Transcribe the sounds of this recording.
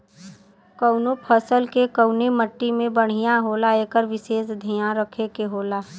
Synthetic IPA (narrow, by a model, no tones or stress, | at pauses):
kəʊnopʰəsəlkekəʊneməʈːimẽbəɽ̤ijaɦoːlaeːkəɾʋɪseːsd̪ʱijãɾəkʰekeɦoːlaː